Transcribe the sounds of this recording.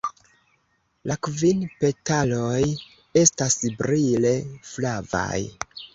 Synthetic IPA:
lakvinpe̞taloj | e̞stasbɾile̞flava̰j

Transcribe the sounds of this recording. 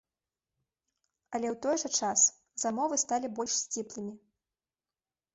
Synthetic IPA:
ɐlʲɛwt̪ɔjʐɐt͡ʂas | zamɔvɨst̪alʲibɔlʲʂsʲt͡sʲiplˠɨmʲi

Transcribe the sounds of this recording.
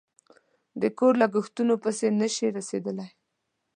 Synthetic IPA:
d̪əkoɾlaɡʊxt̪unopəsenəʃiɾased̪əlaj

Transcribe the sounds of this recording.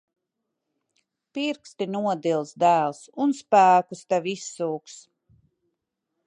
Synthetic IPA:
piɾkst̪inuɔd̪ilˠsd̪æːlˠsunspæːkust̪ɛʋisːuːks

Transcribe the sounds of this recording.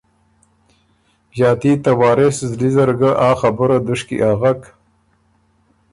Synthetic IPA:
jɑːt̪it̪awɑːɾeszlizaɾɡaʔɑːxabəɾad̪ʊʂkḭʔaɣak

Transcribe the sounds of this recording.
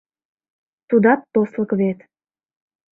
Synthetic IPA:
t̪ud̪ɑt̪ːosləkβet̪

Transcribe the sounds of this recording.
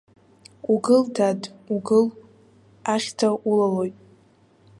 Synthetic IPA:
uɡɨldʰadʼuɡɨl | aχʲtʰaʔulalo̞jtʼ

